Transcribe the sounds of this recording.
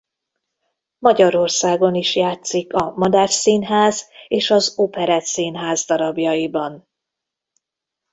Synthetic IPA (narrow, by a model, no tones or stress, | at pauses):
mɒɟɒɾo̞rsaːɡo̞niʃjaːt̪sikɒmɒd̪arsiːnɦaːzeːʃɒzopɛɾɛt̪siːnɦaːzd̪ɒɾɒbjɒjibɒn